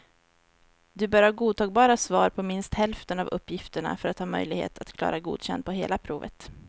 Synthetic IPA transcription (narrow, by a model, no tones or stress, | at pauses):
d̪ɵbœːɾhɑːɡuːd̪t̪ɑːɡ̚bɑːɾasvɑːɾpʰɔmɪnst̪hɛlft̪ənavɵpːjɪft̪əɳa̰fœɾat̪hɑːmœ̰jlɪɡhḛːt̪ʰat̪kʰlɑ̰ːɾaɡṵːd̪ɕɛnd̪̚pɔɦeːlapʰɾuːvə̰t̪